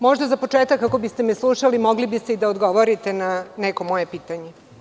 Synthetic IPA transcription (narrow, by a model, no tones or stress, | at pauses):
mo̞ʒd̪azapot͡ʂeːt̪akːako̞bist̪emɛslˠuʃalimoɡlibist̪eid̪aod̪ɡo̞ʋoɾit̪e̞nanɛko̞mo̞jepiːt̪aɲe